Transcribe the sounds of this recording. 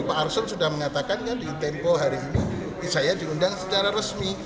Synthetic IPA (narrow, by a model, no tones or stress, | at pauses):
paːrsʊnsudahməŋat̪akankadit̪ɛmpoɦaɾiːni | sajadiundaŋsət͡ʃaɾaɾəsmi